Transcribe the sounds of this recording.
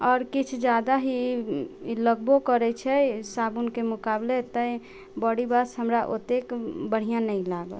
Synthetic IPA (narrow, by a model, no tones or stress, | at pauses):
ɔːɾkit͡ʃʰd͡ʒad̪aɦi | ləɡ̚bokəɾɛt͡ʃʰɛsabunkemʊkablet̪əĩ | bəɽibasɦəmɾaʔo̰t̪ekbəɽ̤ijãnəĩlaɡə̰l